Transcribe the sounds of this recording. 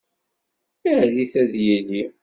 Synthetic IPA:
əʕliθæðjilːi

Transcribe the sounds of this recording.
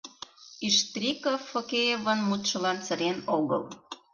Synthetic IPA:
iʃt̪rʲikofːokʲejevənmut̪ʃə̆lɑnt͡sə̆ɾenoɣɤ̰l

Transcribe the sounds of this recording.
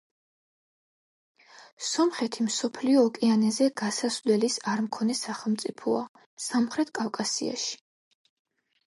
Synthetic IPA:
sɔmχɛt̪ʰimsɔpʰliɔːkʼianɛzɛɡ̥asaslɛlisaɾmkʰɔnɛsaχɛlˠmt̪sʼipʰɔa | samχɾɛt̪ʰkʼafkʼasia̰ʃi̥

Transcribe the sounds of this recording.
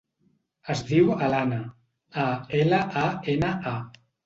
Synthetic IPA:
əzðiwəlanə | aeləʔaenəʔa

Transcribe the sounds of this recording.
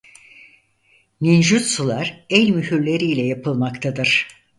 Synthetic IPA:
nind͡ʒysulˠaɾɛlʲmyɦyɾlʲeɾiːlʲɛjapʰɯlˠmakt̪ʰad̪ɯɾ̥

